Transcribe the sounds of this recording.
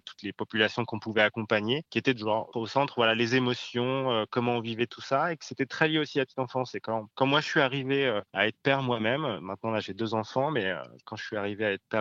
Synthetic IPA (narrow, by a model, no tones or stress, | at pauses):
t̪u̥t̪lepɔpylasjɔ̃kɔ̃puvɛakɔ̃paɲekʲiet̪ɛd̪əʒaʁosɑ̃t̪χvwalalezemɔsjɔ̃økɔmɑ̃ɔ̃vivɛt̪ʰusaekə̥set̪ɛt̪χɛljeosiapət̪it̪ɑ̃fɑ̃sɛkɑ̃kɑ̃mwaʒəsɥiaʁiveøa̰ɛt̪χə̥pɛʁmwamɛmːɛ̃t̪̚nɑ̃laʒed̪øzɑ̃fɑ̃mɛø̰kɑ̃ʃəʃɥiaʁiveaɛt̪χpɛʁ